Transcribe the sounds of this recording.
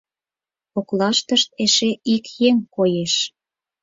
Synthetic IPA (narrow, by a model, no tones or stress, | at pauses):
oklɑʃt̪əʃt̪̚eʃeʔikjeŋkojeʃ